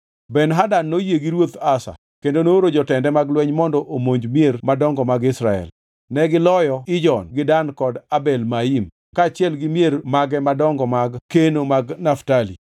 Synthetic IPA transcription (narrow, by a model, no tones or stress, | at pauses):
bɛnɦadanːojeɡiɾwot̪asa̰ | kendonoɾod͡ʒɔtɛndɛmaɡlwɛɲmɔndɔʔomoɲd͡ʒmjeɾmadɔŋɡɔmaɡɪsɾaɛ̰l | nɛɡɪlɔjɔɪd͡ʒɔnɡɪdankɔdabɛlmaim | kaːt͡ʃɪɛlɡɪmjermaɡɛmadɔŋɡɔmaɡkenomaɡnaftalḭ